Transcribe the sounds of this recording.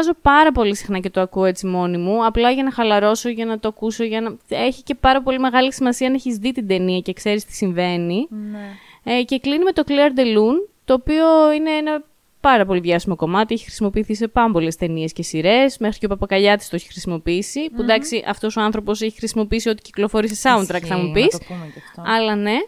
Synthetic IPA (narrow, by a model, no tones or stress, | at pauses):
ɐzo̞pɐɾɐpo̞lisi̥xnɐce̞t̪o̞ɐkuoe̞t͡simo̞nimuɐplɐʝɐnɐxɐlɐɾo̞so̞ʝɐnɐt̪oɐkuso̞ʝɐnɐe̞çice̞pɐɾɐpo̞lime̞ɣɐlisimɐsiɐnɐeçizðit̪ind̪e̞niɐce̞kse̞ɾist̪i̥siɱve̞ni | ce̞klinime̞t̪o̞kliɐɾd̪elunt̪o̞ːpio̞ineenɐ | pɐɾɐpo̞liðʝɐsimo̞ko̞mɐt̪ieçi̥xɾi̥simo̞piːθise̞pɐompo̞le̞st̪e̞nie̞sce̞siɾe̞sme̞xɾicoupɐpɐkɐʎɐt̪ist̪oeçi̥xɾisimo̞piisipud̪ɐksiʔɐft̪o̞so̞ɐnθɾo̞po̞se̞çi̥xɾisimo̞piisio̞t̪i̥ci̥klo̞fo̞ɾis̬esɐunt̪ɾɐkθɐmupis | ɐlɐne̞